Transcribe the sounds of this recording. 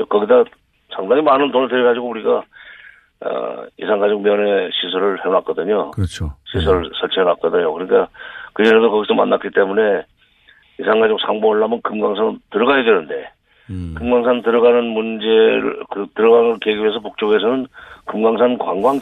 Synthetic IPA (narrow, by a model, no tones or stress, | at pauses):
kʌɡida | sʰaŋdaŋimanɯntonɯɭteɾɡad͡ʑiɡouɾiɡa | ʌ̰isʰaŋɡad͡ʑok̚mjʌne̞ɕʰisʰʌɾɯɭheŋak͈ʌdɯɲot͡ɕʰoɕʰis̬ʰʌɭsʰʌɭt͡ɕʰiɦenak͈ʌdɯɲo̰kɯɾnik͈akɯd͡ʑeɾedokʌɡis͈oma̰nːak͈it͈e̞mune̞ | isʰaŋɡad͡ʑok̚sʰaŋboʌɭːamɯnkɯmɡaŋsʰantɯɾʌɣajedwenɯnde̞ | kɯmɡaŋs̬ʰantɯɾʌɡanɯnmund͡ʑeɾ̰kɯtɯɾʌɡaŋɯɭkeɡiɥes̬ʰʌp̬ok̚t͡ɕ͈oɡe̞s̬ʰʌnɯnkɯmɡaŋs̬ʰankwaŋɡwaŋ